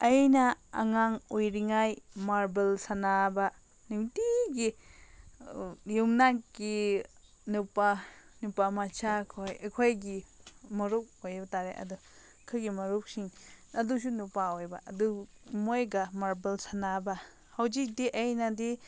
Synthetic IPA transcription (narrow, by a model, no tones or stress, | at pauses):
ɐjnɐɐ̰ŋaŋojɾiŋajmaɾbelsanabɐ | nutiɡi | jumnakɡi | nupanupamat͡ʃʰakʰojɐkʰojɡimɐɾuk̚ojbɐtaɾeʔɐ̰du | kʰɯɡimɐɾuk̚siŋɐdusunupaojbɐɐdu | mojɡɐmaɾbelsanabɐ | hɐwzik̚diʔɐjnɐdi